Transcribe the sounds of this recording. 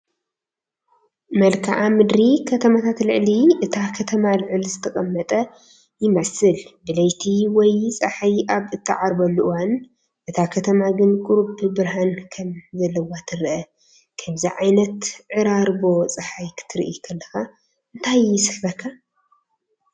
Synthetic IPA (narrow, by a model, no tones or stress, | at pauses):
mɐlkʰa̰ʔamɨd̪ɾikʰɐt̪ʰɐmat̪ʰat̪lɨʕliʔɨt̪ʰakʰɐt̪ʰɐmalɨʕɨlizɨt̪ʰɐkʼɐmːɐt̪ʼɐ | jɪmɐsɨlbɨlɐjt̪ʰiwɔjt͡sʼɐħajʔaβɨt̪ʰːɨʕaɾbɐlːuʔɨwan | ʔɨt̪ʰakʰɐt̪ʰɐmaɡɨnkʼʊɾbɨbɨɾɦankʰɐmzɐlːɐwat̪ʰɨɾʔɐ | kʰɐmziʕajnɐt̪ʕɨɾaɾbo̞t͡sʼɐħajkʰɨ̥t̪ʰɨɾʔikʰɐlːɐxa | ɨnt̪ʰajɪsɨħfɐkʰːa